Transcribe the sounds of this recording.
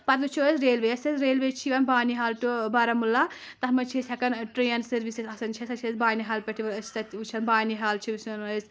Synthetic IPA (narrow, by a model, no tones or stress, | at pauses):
pɐt̪ut͡ʃʰuɐsɾeːlʋeɐsɐsɾeːlʋet͡ʃʰiʋɐnbaːniɦaːlʈobɐɾɐmulːa | t̪ɐɦmɐt͡ʃʰesʲɐkɐnʈɾeːnsɐɾʋisesɐsɐnt͡ʃʰɐsɐt͡ʃʰɐsbaːniɦaːlpʲɐʈʰiʋɐɾɐt͡ʃʰt̪ɐt̪ut͡ʃʰɐnbaːniɦaːlt͡ʃʰiʋusɐnəsʲ